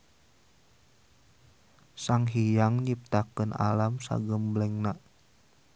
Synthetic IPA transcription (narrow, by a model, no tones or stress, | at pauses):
saŋɦijaŋɲip̚t̪akəna̰lamsa̰ɡəmblɛŋnaʔ